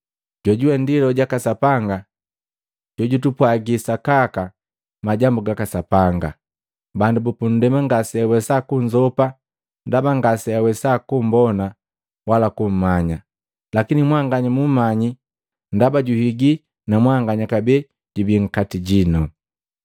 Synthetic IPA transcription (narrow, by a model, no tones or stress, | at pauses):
ɟ̥ɔɟuɛndilɔɟakasapaŋɡa | ɟ̥ɔɟutupwaɡisakaka | maɟambuɡakasapaŋɡa | bandubupun̩dɛmaŋɡasiawɛsakuɲd͡ʒɔpa | ndabaŋɡasɛawɛsakum̩bɔna | walakum̩maɲa | lakinimwaŋɡaɲamumaɲi | ndabaɟuhiɡi | namwaŋɡaɲakabɛ | ɟ̥ubiŋ̩katiɟinɔ